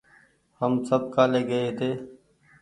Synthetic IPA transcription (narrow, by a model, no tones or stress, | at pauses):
həmsəb̚kaːleːɡəeːt̪ʰeː